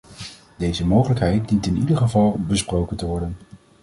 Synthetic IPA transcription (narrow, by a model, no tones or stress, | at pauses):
dejzəmowχələkɦɛjt̚dintɪnidəχəvɑlˠbəsprowkəntəʋɔɹdən